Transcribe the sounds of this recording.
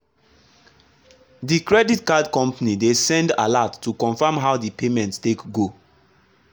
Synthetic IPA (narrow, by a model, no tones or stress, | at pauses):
dikɹɛditkadkɔ̃mpanidesɛ̃nda̰latːukɔ̃nfãmɦawdipʰemɛ̃nttekɡo